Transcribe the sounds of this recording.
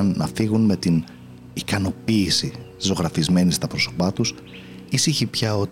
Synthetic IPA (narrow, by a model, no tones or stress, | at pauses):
ɐnːɐfiɣunme̞t̪in | ikɐno̞piːsizo̞ɣɾɐfizme̞nist̪ɐpɾo̞so̞pɐt̪us | isiçipçɐo̞